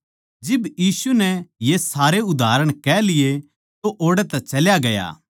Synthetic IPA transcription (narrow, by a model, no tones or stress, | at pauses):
d͡ʒɪbjiːsunɛjesaːɾeʊd̪ʱaːɾəɽ̃kɛːlɪje | t̪oʔoːɽɛt̪ɛt͡ʃɐljaɡɐja̰ː